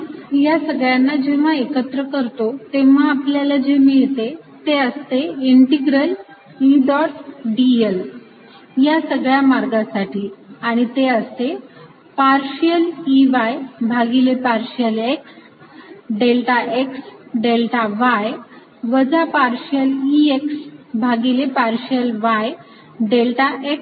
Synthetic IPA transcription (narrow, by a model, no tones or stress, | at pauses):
jasəɡɭjanːad͡ʑeʋ̤aekət̪ɾəkəɾt̪ot̪eʋ̤əapljalad͡ʑemiɦet̪e | t̪eəst̪eiɳʈiɡɾəl | iɖɔʈɖiel | jasəɡɭjamaɾɡãsaʈiːaɽ̃it̪eəst̪e | paɾɕjəliʋajbʱaɡilepaɾɕjəleks | ɖelʈaʔeksɖelʈaʋaj | ʋəd͡zapaɾɕjəlieksbʱaɡilepaɾɕjəlʋaj | ɖelʈaʔek